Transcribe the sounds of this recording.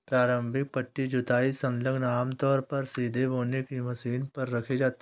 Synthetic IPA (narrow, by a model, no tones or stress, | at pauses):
pɾaːɾə̃mbʱɪk̚pɐʈːid͡ʒʊt̪aːisɐ̃nləɡnaːmt̪ɔːɾpɐɾsiːd̪ʱeboːnekimɐsiːnpɐɾːɐkʰed͡ʒaːt̪e